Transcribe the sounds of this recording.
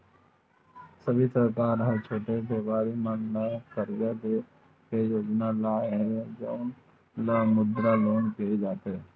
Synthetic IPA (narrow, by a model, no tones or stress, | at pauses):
səbʱisəɾkaːɾɦəɾt͡ʃʰoːʈebʱeːʋaːɾimannakəɾd͡ʒad̪e | kejoːd͡ʒnalaːeɦɛ̃d͡ʒoʊn | lamʊd̪ɾaloːnkied͡ʒaːt̪eɦɛː